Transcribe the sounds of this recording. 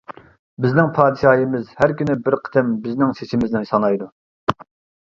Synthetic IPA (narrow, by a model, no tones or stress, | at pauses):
bɪznɪŋpʰɑːd̪ɨʃɑːjəmɪzhæɾkʲynɪbɪɾqʰə̥t̪ɪmbɪznɪŋseʃɪmɪznɪsɑnɑjd̪u